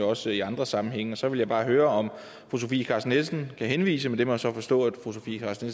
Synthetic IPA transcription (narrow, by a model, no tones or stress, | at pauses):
ɒ̽siɑ̈nd̥ʁɐsɑ̈mm̩ɦeŋ̰əɒ̽sɒ̽ʋe̝ljɑɪb̥ɑ̈ːɦøːɐɒ̽m | foos̬o̝fḭːkʰɑ̈snelsn̩kʰæhenʋḭːsəmed̥emɒsɒ̽fɒ̽sd̥ɔ̰̽ːæd̥fos̬o̝fḭːkʰɑ̈ːsnels